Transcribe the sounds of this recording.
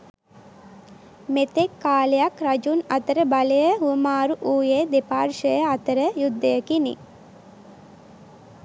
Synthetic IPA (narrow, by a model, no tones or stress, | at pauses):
met̪ekːaːlejakɾad͡ʒunat̪əɾəbaləjəɦuəmaːɾuʔuːjed̪epaːrʃəjəat̪əɾəjud̪ːəjəkinḭ